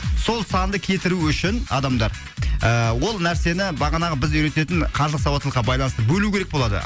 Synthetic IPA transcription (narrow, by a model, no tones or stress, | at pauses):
so̞lˠsɑnd̪əkʲʰe̞t̪ɪɾuʏʃɪnɑ̰d̪ɑmd̪ɑɾ | əwo̞lˠnæɾse̞nɪbɑʁɑnɑʁəbɪzʏjɾe̞t̪e̞t̪ɪɴqʰɑɾlˠəsɑwɑt̪ːlˠəqːɑbɑjlˠɑnəst̪əbɵlukʲʰe̞ɾek̚bo̞lˠɑd̪ə̰